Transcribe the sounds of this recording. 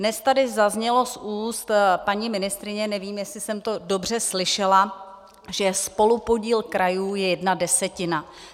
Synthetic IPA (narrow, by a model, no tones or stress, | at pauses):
dnɛst̪adɪzazɲɛlo̞sʔuːst̪paɲimɪnɪst̪ɾɪɲɛnɛviːmjɛsɪsɛmt̪o̞do̞br̝ɛslɪʃɛla | ʒɛspo̞lupo̞ɟiːlkɾajuːjɛjɛdnadɛsɛcɪna